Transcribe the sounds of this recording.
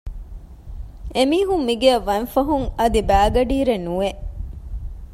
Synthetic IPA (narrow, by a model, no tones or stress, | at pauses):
emiːɦumːiɡeɐʋːɐnfɐɦuŋɐd̪ibæːɡɐɖiːɾenueʔ